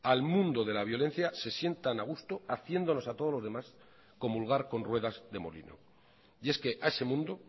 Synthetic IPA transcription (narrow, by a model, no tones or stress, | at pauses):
almũnd̪o̞ðe̞laβ̞jo̞lẽ̞n̟θjase̞sje̞nt̪anaɣ̞ust̪oaθje̞nd̪o̞no̞sat̪o̞ð̞o̞lo̞zð̞e̞mas | ko̞mulɣ̞aɾko̞nrwe̞ðazðe̞mo̞̰lḭno̰ | je̞ske̞ʔaese̞mũnd̪o